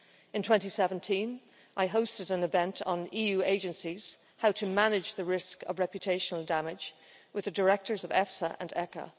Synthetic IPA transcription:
ɨ̃ntʰw̥ɛ̃ntisɛvə̃n̩tʰĩn | ʔaɪɦoʊstɨɾə̃nɨvɛ̃ntn̩ijʉeɪd͡ʒɨ̃nsiz̥ | haʊtʰɨmanɪd͡ʒðɨɹɪskʌ̰vɹɛpjɨtʰeɪʃənəl̩ˠdamɪd͡ʒ | wɨðɨdə˞ɛk̚tə˞zʌvɛfsəʔə̰̃nɛkə̰

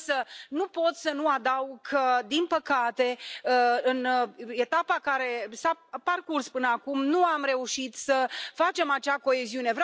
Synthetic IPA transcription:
sənupo̞t̪sənuad̪awɡəd̪inpəkat̪e̞əɨne̞t̪apakaɾe̞saparkurspɨnəakumnuamɾe̞uʃit̪səfat͡ʃe̞mat͡ʃako̞e̞ziune̞v

